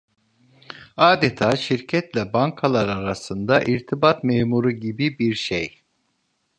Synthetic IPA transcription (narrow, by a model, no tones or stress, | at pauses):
aːd̪et̪ʰaːʃiɾcʰɛt̪lʲɛbaŋkʰalˠaɾaɾasɯnd̪aʔiɾt̪ʰibat̪meːmuɾuɟibibiɾʃej